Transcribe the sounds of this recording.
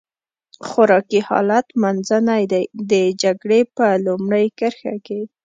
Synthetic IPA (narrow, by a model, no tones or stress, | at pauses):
xaɾɑkihɑ̰lat̪manzənajd̪ajd̪əd͡ʒaɡɽepəlʊmɽəjkəɾxa̰ke